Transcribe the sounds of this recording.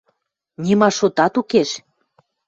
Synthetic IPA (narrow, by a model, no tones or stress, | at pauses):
nʲimɑʃot̪ɑt̪ukeʃ